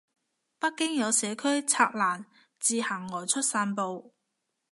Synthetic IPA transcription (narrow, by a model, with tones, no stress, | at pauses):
pɐ˥kːɪ˥ŋjɐ˨˧wsɛː˨˧kʰɵ˥ɥt͡sʰaː˧k̚laː˨˩n | t͡siː˧hɐ˨˩ŋːɔː˨˩jt͡ʃʰɵ˥t̚saː˧npo˨˧w